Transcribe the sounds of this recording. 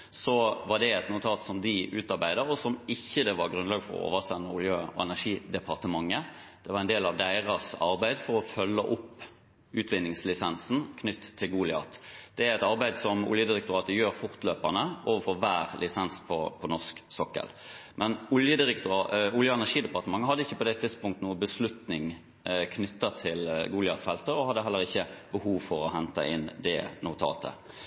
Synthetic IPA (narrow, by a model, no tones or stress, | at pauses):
sɔʋɑʁd̪ɛɛt̪nʊt̪ʰɑːt̪sɔmd̪ɪʔʉːt̪ɑʁbæɪd̪əɾɔsɔmɪçːəd̪ɛʋɑʁɡʁʉnlɑːɡfɔ̰ʁɔ̰o̰ːʋəsɛnːəʊljøːɛ̰næʂiːd̪ɛpʰɑʁt̪əmɑŋːəd̪̥ɛʋɑʁæɛnd̪eːlɑʋd̪æɪʁɑsɑ̰ɾbæɪd̪fɔɾɔfœlːəʔʊpː | ʉːt̪ʰʋɪnːɪŋslɪsɛnsn̩kʰnʏt̪ʰːɪlɡuːlɪɑ̰ːt̪d̪̥ɛæɾɛt̪ɑɾbæɪd̪sɔmʊ̰ljəd̪ɪɾɛk̚t̪ʊʁɑːt̪əjøːɾfʊʁt̪løːpɑnəʔoːʋəfɔʋæːɾlʔɪsɛnspʰɔpʰɔnɔʁsksɔkːə̰lmʔɛnʊljəd̪ɪɾɛkt̪ʊɑʊljəɛnæʁʂiːd̪əpɑʁt̪əmɑŋːəɦɑd̪əɪçːəpɔd̪ɛt̪ʰɪd̪spʊŋkt̪ənuːəbəslʉt̪nɪŋ | kʰnʏt̪ːɑt̪ʰɪlɡuːlɪɑt̪fɛlt̪əɔhɑd̪ːəɦɛlːəʁɪçːəbəhuːʋfɔʁɔɦɛnt̪ɑ̰ʔɪnd̪ɛ̰nʊt̪ʰɑ̰ːt̪ʰə̰